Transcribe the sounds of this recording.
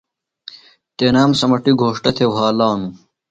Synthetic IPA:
t̪eːnaːmsɐmɐʈiɡʱoːʂʈɐt̪ʰewɦaːlaːnu

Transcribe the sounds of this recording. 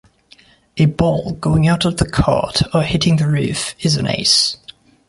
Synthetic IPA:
əbɔlˠɡoʊɪ̃ŋaʊtəvðəkʰɑ̰ˑtəhɪtʰɪ̃ŋðəɹʉˑfɪzə̃nḛɪs

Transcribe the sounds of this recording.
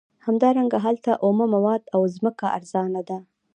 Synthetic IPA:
hamd̪ɑɾaŋɡaɦalt̪aʔomamawɑd̪awzməkaʔa̰ɾz̥ɑnad̪a

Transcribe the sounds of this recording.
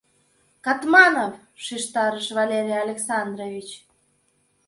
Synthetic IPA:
kɑt̪mɑnof | ʃiʃt̪ɑɾəʃβɑlʲeɾʲijɑlʲeksɑnd̪ɾovʲit͡ɕ

